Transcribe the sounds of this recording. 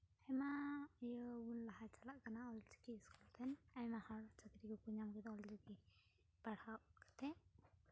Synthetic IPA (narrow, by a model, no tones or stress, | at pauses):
hɛmajɔunlaɦat͡ʃalaʔkanaɔlt͡ʃi̥kiskult̪ʰɛnajmahaɽt͡ʃakɾikɔkuɲamɡɛd̪ɔld͡ʒɔki | baɽ̤awʔkḁt̪ʰɛ